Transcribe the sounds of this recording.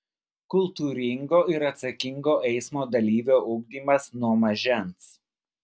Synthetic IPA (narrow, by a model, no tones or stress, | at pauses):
kʊlˠt̪uːɾʲɪŋɡoːɪɾɐt̪sɐkʲɪŋɡoːʔɛɪsmoːd̪ɐlʲiːʋʲoːʔʊɡ̚d̪ʲiːmɐsnuɔmɐʒʲɛns